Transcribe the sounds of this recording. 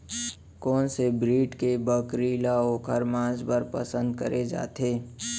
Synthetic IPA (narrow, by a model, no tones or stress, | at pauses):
kɔːnsebɾiːʈkebəkɾiːlaoːkʰəɾmãːd͡ʒbəɾpə̰sə̃nd̪̚kə̰ɾʔed͡ʒa̰ːt̪eː